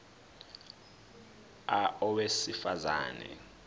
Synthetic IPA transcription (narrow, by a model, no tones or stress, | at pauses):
aɔwesifaza̰ːnɛ̰